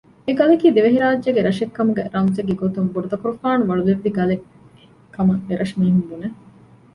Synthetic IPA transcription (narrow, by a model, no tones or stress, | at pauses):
eɡɐlekiːd̪eʋeɦiɾaːdːeɡeɾɐʃekːɐmuɡɛ̰ɾɐŋd͡ʒeɡeɡot̪umbuɾud̪ɐkuɾufaːnuʋɐɭuleɾːiɡɐle | kʰːɐmɐeɾʔɐʃmiːɦumbune